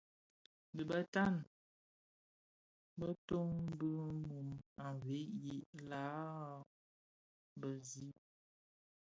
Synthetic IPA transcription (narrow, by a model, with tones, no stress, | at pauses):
bi˨ba˨ta˦˨n | bə˦to˦ŋbə˦mu˨ma˨ve˨˦ji˨ʔla˨˦ | bə˨zi˦